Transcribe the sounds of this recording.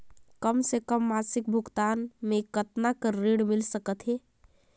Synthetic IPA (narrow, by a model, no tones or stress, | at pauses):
kəmsekəmːasik̚bʱuɡt̪anmekət̪nakəɾeɽmilsəkət̪ɦe